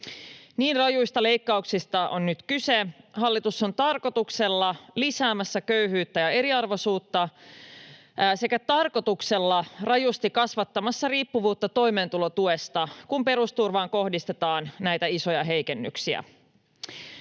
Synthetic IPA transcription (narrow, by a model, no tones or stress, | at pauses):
niːnrɑjujst̪ɑle̞jkːɑuksist̪ɑʔo̞nnyt̪kysehɑlːit̪usːo̞nt̪ɑrko̞t̪ukselːɑlisæːmæsːækøyhyːt̪ːæjɑe̞ɾiɑrʋo̞suːt̪ːɑ | se̞kæt̪ɑrko̞t̪ukselːɑrɑjust̪ikɑsʋɑt̪ːɑmɑsːɑriːpːuʋuːt̪ːɑt̪o̞jme̞ːnt̪ulot̪uest̪ɑkumpe̞ɾust̪urʋɑːŋko̞hdist̪e̞t̪ɑːnnæjt̪æiso̞jɑɦe̞jke̞nːy̰ksiæ̰